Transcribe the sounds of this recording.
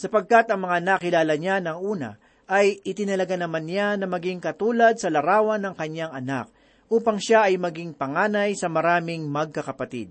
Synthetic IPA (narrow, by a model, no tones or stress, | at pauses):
sɐpɐɡ̚kat̪ɐŋmɐŋanakɪlaːlɐɲanɐŋʔuːnɐ̰ | ʔɐjɪt̪ɪnɐlɐɡanɐmanjanɐmɐɡiŋkɐt̪uːlɐd̪̚sɐlɐɾaːwɐnːɐŋkɐɲjaŋɐna̰k̚ | ʔuːpɐŋʃaʔɐjmɐɡɪŋpɐŋaːnɐjsɐmɐɾaːmɪŋmɐɡ̚kɐkɐpɐt̪ḭd̪̚